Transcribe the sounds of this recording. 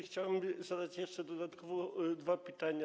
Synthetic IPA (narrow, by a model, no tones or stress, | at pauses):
xt͡ɕawɛmzad̪at͡ɕjɛʂt͡ʂɛd̪ɔd̪at̪kɔvɔd̪vapʲɘt̪aɲa